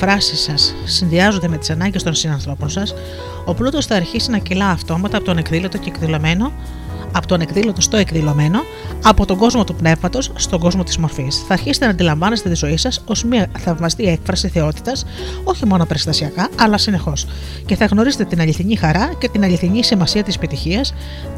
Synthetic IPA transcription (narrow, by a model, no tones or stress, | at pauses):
fɾɐsisɐsː | inðiɐzot̪e̞me̞t̪isɐnɐɲɟe̞st̪o̞nsinɐnθɾo̞po̞nsɐs | o̞plut̪o̞sθɐːɾçisinɐcilɐːft̪o̞mɐt̪ɐpot̪one̞kðilo̞t̪oceːkðilo̞me̞no̞ | ɐpot̪one̞kðilo̞t̪o̞st̪o̞e̞kðilo̞me̞no̞ | ɐpo̞t̪oɡo̞zmo̞t̪upne̞vmɐt̪o̞sːt̪o̞ɡo̞zmo̞t̪i̥zmo̞ɾfisθɐːɾçiset̪enɐːnd̪ilɐɱvɐne̞st̪e̞t̪izo̞isɐso̞zmiɐθɐvmɐst̪ie̞kfɾɐsiθe̞o̞t̪i̥t̪ɐs | o̞çimo̞no̞pe̞ɾst̪ɐsiɐkɐɐlɐsine̞xo̞s | ce̞θɐɣno̞ɾize̞t̪et̪inɐʎiθiɲixɐɾɐce̞t̪inɐʎiθiɲisimɐsiɐt̪ispit̪içiɐs